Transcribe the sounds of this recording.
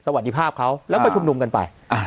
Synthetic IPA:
sa˧wa˨˩t̪̚ːiː˦˧pʰaː˥˩p̚kʰa˦˥wlɛː˦˥wpa˧t͡ɕʰu˧mnu˧mka˧npa̰˧j | a˧˩

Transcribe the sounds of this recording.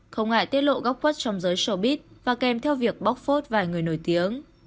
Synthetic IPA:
xə˧wŋa̰ː˧˨jt̪i˦˥t̚lo̰˧˨ɣa˦˥wp̚xwə˦˥t̚t͡ɕɔ˧wŋ͡mzəː˨˦jso˧˩ɓi˦˥t̚vaː˨˩kɛ˨˩mt̪ʰɛ˧wvi˨˩ək̚ɓɔ˦˥k͡p̚fo˦˥t̚vaː˨˩jŋɨ˨˩əjno˧˩jt̪i˨˦əŋ

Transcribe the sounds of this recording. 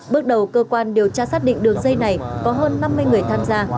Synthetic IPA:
ɓɨ˦˥k̚ɗə˨˩wkəː˧kwaː˧nɗi˨˩əwt͡ɕaː˧saː˦˥t̚ɗḭ˧˨ŋ̟ɗɨ˨˩əŋzə˧jna˨˩jkɔ˨˦ɦəː˧nːa˧mːɨ˧əjŋɨ˨˩əjt̪ʰaː˧mzaː˧

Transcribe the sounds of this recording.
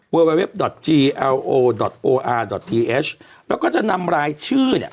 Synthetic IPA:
wəː˧we˧we˦˥p̚dɔ˨˩t̪̚t͡ɕiː˧ʔɛ˧wʔoː˧dɔ˨˩t̪̚ʔoː˧ʔaː˧dɔ˨˩t̪̚ʰiː˧ʔe˦˥s | lɛː˦˥kɔː˥˩t͡ɕa˨˩ʔna˧mɾaː˧jt͡ɕʰɯː˥˩nḭ˦˩

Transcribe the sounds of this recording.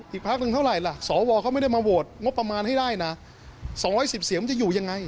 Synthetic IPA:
ʔiː˨˩k̚pʰa˦˥k̚nɯ˧ŋʰ˥˩wɾa˨˩jla˨˩sɔː˩˦wɔː˧kʰa˦˥ma˥˩jda˥˩jmaː˧wo˨˩t̪̚ŋo˦˥p̚pɾa˧maː˧nhɦa˥˩jdaː˥˩jna˦˥ | sɔː˩˦ŋɾɔː˦˥jsi˨˩p̚si˨˩˦ma˧˨˩t͡ɕa˨˩juː˨˩ja˧ŋːa˧j

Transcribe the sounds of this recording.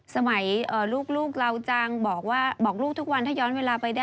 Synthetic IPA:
sa˧ma˩˦jʔəː˨˩luː˥˩k̚luː˥˩k̚la˧wt͡ɕaː˧ŋbɔː˨˩k̚waː˥˩bɔː˨˩k̚luː˥˩k̚t̪ʰu˦˥k̚wa˧nt̪ʰaː˥˩jɔː˦˥nweː˧laː˧pa˧jdaː˥˩

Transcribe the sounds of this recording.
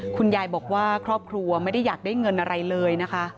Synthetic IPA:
kʰu˧njaː˧jbɔː˨˩k̚waː˥˩kʰɾɔː˥˩p̚kʰɾu˧ɐma˥˩jda˥˩jːaː˨˩k̚daː˥˩jŋɤ˧nʔa˧ɾa˧jlɤː˧jna˦˥kʰa˦˥ʔ

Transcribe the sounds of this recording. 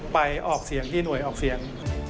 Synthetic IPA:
pa˧jʔɔː˨˩k̚si˨˩˦əŋt̪ʰiː˥˩nu˨˩əjʔɔː˨˩k̚si˩˦əŋ

